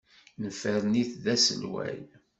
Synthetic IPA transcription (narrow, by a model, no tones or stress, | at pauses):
nəfəɾniθðæsə̰lwæ̰l